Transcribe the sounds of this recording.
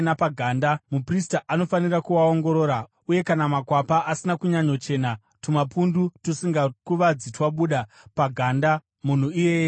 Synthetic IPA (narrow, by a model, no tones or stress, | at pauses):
napaɡʱaːndamupristaʔano̞fanirakuwao̞ŋɡo̞ɾo̞ːɾa | uje̞kanamakwapaʔasinakuɲaɲot͡ʃe̞na | tumapundutusiŋɡakuʋad͡zitwaɓuɗa | paɡʱaːnda | mun̤uije